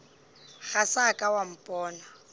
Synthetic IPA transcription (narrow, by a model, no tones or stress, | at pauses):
ɣasakʼawam̩pʼɔːna